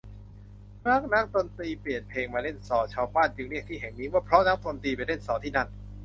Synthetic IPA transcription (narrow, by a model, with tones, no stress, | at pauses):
ma˦˥˩k̚na˦˥ŋt̪o˧nt̪iː˧pli˨˩ənpʰeː˧ŋmaː˧le˥˩nsɔː˩˦t͡ɕʰaː˧wbaː˥˩nt͡ɕɯ˧ŋɾi˥˩ək̚t̪iː˥˩ɦɛ˨˩ŋniː˦˥waː˥˩pʰɾɔ˦˥na˦˥ŋt̪o˧nt̪iː˧pa˧nle˥˩nsɔː˩˦t̪ʰiː˥˩na˥˩n